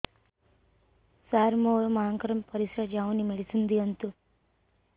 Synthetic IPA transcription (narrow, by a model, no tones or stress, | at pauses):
saːɾmoːɭmɐãːŋkɐɾɐmpɐɾisɾad͡ʒaːʋunimeɭisund̪iɐnt̪u